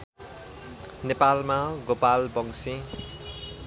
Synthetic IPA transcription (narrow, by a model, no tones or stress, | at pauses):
nepalmaɡopalbʌŋsĩ